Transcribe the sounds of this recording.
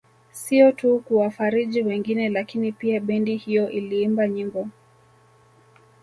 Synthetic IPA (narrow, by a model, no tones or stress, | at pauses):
siɔtukuwafaɾiʄiwɛŋɡinɛlakinipiaɓɛndihijɔʔiliimbaɲiŋɡɔ